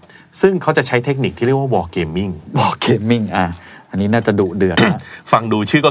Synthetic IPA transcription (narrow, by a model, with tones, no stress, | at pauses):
sɯ˥˩ŋkʰa˦˥wt͡ɕa˨˩ʔt͡ɕʰa˦˥jt̪ʰe˦˥k̚ni˨˩k̚t̪ʰiː˥˩ɾi˥˩əkwa˥˩wɔː˧keː˧mːi˥˩ŋwɔː˧keː˧mːi˥˩ŋʔa˧˩ʔa˧nːiː˦˥naː˥˩t͡ɕa˨˩duː˨˩k̚dɯ˨˩ətfa˧ŋduː˧t͡ɕʰɯː˥˩kɔ˥˩